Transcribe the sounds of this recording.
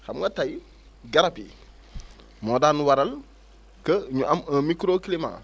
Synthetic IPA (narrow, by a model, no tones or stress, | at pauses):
xamŋɡɐtaj | ɡaɾapi | moːdanuwaɾɐl | kəɲuʔɐməmikɾoːkilima̰